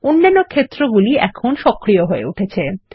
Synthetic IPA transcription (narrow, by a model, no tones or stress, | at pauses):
onːanːokʰet̪ːɾoɡuliɛkʰonʃɔkːɾijoɦoḛuʈʰet͡ɕʰe